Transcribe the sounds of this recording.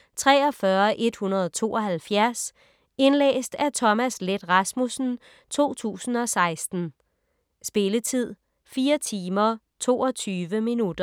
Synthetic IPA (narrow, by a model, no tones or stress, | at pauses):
t͡sʰʁɛːɒ̽fɶɐʔe̝d̥hunɐð̞ˠɒt͡sʰo̝̰ːɒ̽ɦælfjæɐs | e̝nlḛːsd̥æɐt͡sʰɒ̽mæsled̥ʁɑ̈smusn̩ | t͡sʰo̝̰ːt͡sʰṵːsn̩ɒ̽sɑ̈ɪsd̥n̩ | sb̥e̝lət͡sʰið̞̰ˠ | fiːɐt͡sʰiːmɐ | t͡sʰo̝ːɒt͡sʰyːʋəminud̥ɐ